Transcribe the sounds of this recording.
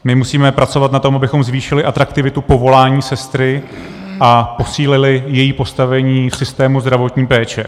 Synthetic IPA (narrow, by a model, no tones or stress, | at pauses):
mɪmusiːmɛpɾat͡so̞vat̪nat̪o̞mʔabɪxo̞mzviːʃɪlɪʔat̪ɾakt̪ɪvɪt̪upo̞vo̞laːɲiːsɛst̪ɾɪ | ʔapo̞siːlɪlɪjɛjiːpo̞st̪avɛɲiːfsɪst̪ɛːmuzd̪ɾavo̞t̪ɲiːpɛːt͡ʃɛ